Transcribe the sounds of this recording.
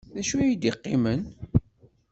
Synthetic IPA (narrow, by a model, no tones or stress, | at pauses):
ðæʃujid̪iqːɪmən